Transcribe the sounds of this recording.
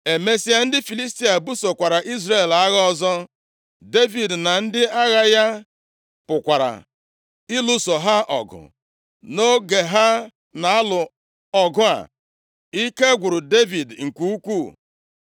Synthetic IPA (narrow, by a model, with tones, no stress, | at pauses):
e˨me˦si˦a˦n̩˦dɪ˦fi˨li˦sti˦a˨bu˦so˨kʷa˨ɾa˨ʔi˦zre˦˨la˦ɣɔ˦zɔ˦ | de˦vi˨dna˨n̩˦dɪ˦a˦ɣa˦ja˦ | pʊ˨kʷa˨ɾa̰˨ | ɪ˦lu˦so˨ɦa˦ʔɔ̰˨ɡʊ̰˨ | no˦ɡe˨ɦa˦ | na˨a˦lʊ˨ | ɔ˨ɡʊ˦a̰˨ | i˦ke˦ɡʷʊ˨ɾʊ˨de˦vi˨dŋ̩˨kʷu˦u˦kʷu˦˨